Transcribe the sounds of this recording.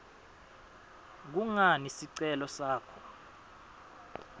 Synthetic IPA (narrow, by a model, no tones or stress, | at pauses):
k̬uŋanisiǀɛlɔsaːkʰɔ